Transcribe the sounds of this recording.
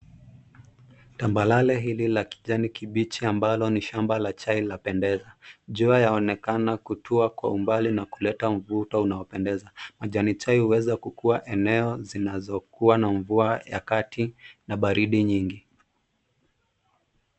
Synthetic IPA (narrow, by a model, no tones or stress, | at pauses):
tambalalɛɦililaki̥ʄanikiɓit͡ʃiambalɔniʃambalat͡ʃailapɛndɛzaʄuajaɔnɛkanakutʰuakwa̰umbalinakulɛtaɱ̩vutɔunaɔpɛndɛzamaʄanit͡ʃaihuwɛzakukuaʔɛnɛɔzinazɔkuwanaɱvuaja̰katinaɓaɾiɗiɲiŋɡi